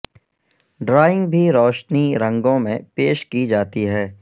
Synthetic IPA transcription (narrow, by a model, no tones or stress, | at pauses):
ɖɾaːɪ̃ŋɡ̚bʱiɾɔːʃniɾə̃ŋɡõmẽpeːʃkid͡ʒaːt̪iɦɛː